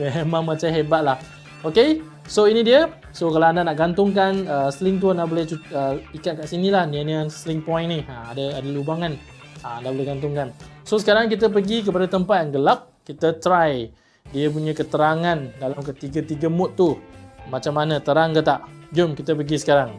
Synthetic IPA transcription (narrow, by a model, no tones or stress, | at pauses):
ɦemãŋmat͡ʃaɦebat̪̚lah | oke | soinĩdiə | sokalaandanaʔɡant̪ʊŋkanəslɪŋt̪̬uənaʔbolɛht͡ʃuəpikat̪̚kaʔsinĩlahnianəslɪŋpɔj̃nniamadəadalubaŋan | anaʔbolɛhɡant̪ʊŋkansosə̥kaɾaŋk̬it̪əp̬əɡik̬əpadat̪əmpat̪̚jaŋɡəlap̚kit̪ət̪ɾaj | diəp̬uɲə̃kət̪əɾaŋãndalamkət̪iɡət̪iɡəmʊt̪ːumat͡ʃamːanãt̪əɾaŋkət̪aʔd͡ʒʊmkit̪əpəɡisə̥kaɾaŋ